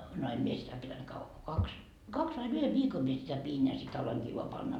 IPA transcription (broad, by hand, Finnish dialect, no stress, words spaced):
no em mie sitæ pitænt kɑʋːɑ ko kɑks kɑks ʋɑin yhe ʋiːkom mie sitæ piːn jɑ sit ɑloiŋkiː ʋoɑ pɑnːɑ